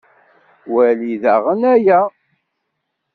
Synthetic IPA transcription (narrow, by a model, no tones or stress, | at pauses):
wæliðæʁənæjæ